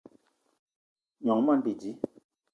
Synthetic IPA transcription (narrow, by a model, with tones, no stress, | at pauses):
ɲɔ˩˨ŋma˥˨pi˩˨d͡ʑi˩˨